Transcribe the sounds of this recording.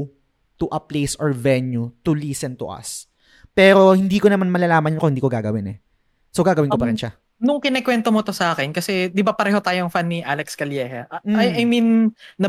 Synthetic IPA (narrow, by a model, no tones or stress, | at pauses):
t̪ʊʔɐplejsɔɹvɛnjut̪ʊliːsɛnt̪ʊ̰ʔɐ̰s | pɛːɾo̞hɪnd̪iːkonɐmanmɐlɐlaːmɐnkoɪnd̪iːkoɡaɡɐwɪnɛ | sowɡaːɡɐwɪnkopɐɾɪnʃa | nʊŋkɪnɛkwɛnt̪omot̪osɐʔaːkɛnkɐsɛd̪ɪbapɐɾɛːɦot̪aːjoŋfanːiʔalɛkskɐljɛhɛʔ̩ɐjɐjminːɐ